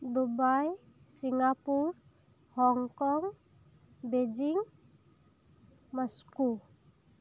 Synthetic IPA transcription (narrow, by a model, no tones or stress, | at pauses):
d̪ubaj | siŋapuɾ | hɔŋkɔŋ | bed͡ʒiŋ | masku